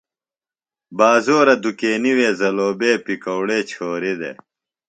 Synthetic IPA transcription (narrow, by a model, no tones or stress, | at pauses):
baːzoːɾɐd̪ukeːniweːzɐloːbeːpikɐwɽeːt͡ɕʰoːɾed̪ḛː